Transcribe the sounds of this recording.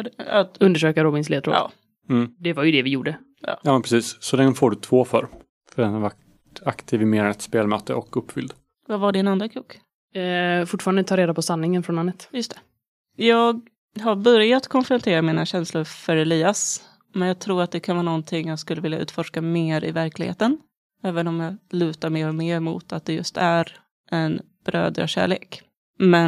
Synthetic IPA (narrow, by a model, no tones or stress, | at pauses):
at̪ɵnd̪əʂøːkaɾɔbɪnsleːt̪ɾo̰ɑ̰ː | m̩ːd̪ɛvajɵd̪ɛvɪjuːɖə | jɑ̰ːjɑːmɛnpʰɾɛsiːsːɔlɛŋːəfoːɖɵt̪ʰvoːfœ̰ɾ | fœdɛnhaɾvaʈ | akt̪ʰiːvɪmeːɾnɛt̪speːlmœːt̪ə̰ʔɔkɵpːfʏ̰ld̪ | vavaɖɪnand̪ɾakʰuːk | fʊʈːfɑːɾand̪ət̪ʰɑːɾeːd̪apɔsanːɪŋənfɾɔnanːət̪jɵst̪ʰɛ̥ | jɑːɡ | ɦabœɾjat̪kʰɔnfɾʊnt̪ʰeːɾamiːnaɕɛnslʊɾfœɾɛliːas | mɛnjɑːɡ̚t̪ʰɾuːɾat̪̚d̪ɛkʰanvɑːnɔnt̪ʰɪŋːjaːɡskɵlːəvɪljaʔʉ̟ːt̪fɔʂkameːɾɪ̰væɾklɪɡhḛːt̪ən | ɛːvənɔmjɑːlʉ̟ːt̪aɾmeːɾɔmeːɾmṵːt̪ʰat̪̚d̪ɛjɵ̰st̪æɾ | ʔɛn | b̥ɾø̰ːd̪ɾa̰ɕæ̰ːɭḛːk | mɛn